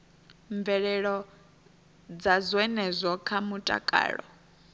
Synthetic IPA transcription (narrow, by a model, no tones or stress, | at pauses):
ɱb̪vɛɺɛɺɔ | d͡zazwɛnɛzʷɔkʰamutʼa̰kʼa̰ːɺɔ̰